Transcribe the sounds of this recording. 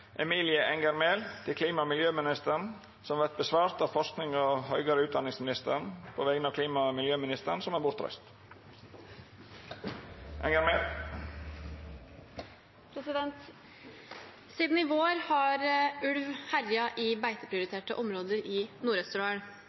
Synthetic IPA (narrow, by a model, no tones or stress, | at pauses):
ʔɛmiːlɪəʔɛŋɡəɾmeːlt̪ʰɪlkʰliːmɑmɪljøːmɪnɪst̪əɾɳ | sɔmʋæɾt̪̚bəsʋɑːɾt̪ɑʋfɔʂknɪŋɔɦœʏɡɑɾəʉːt̪d̪ɑnɪŋsmɪnɪst̪əɾəɳ̩pʰoːʋɛɡənɑːʋkʰliːmɑmɪljøːmɪnɪst̪əɳ̩sɔmæbʊɾt̪ʰɾœ̰st̪ | ʔɛŋəɾmeːl | pʰɾɛsɪd̪ɛnt̪ | siːd̪n̩ɪʋoːɾhɑɾʉlʋhæɾjɑʔɪbæɪt̪əpʰɾɪʊɾɪt̪ʰeːʈəʔɔmɾoːd̪əɾɪnuːɾɛst̪ʉɾɑəɳ